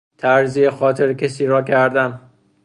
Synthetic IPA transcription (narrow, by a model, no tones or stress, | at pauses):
t̪ʰæɾziːexɒːt̪ʰeɾcʲʰesiːɾɒːcʰæɾd̪æn